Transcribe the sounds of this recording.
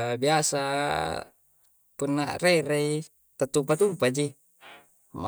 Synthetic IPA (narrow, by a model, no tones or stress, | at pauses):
biasa | punːa̰reɾei | t̪at̪ːupat̪upad͡ʒi | ma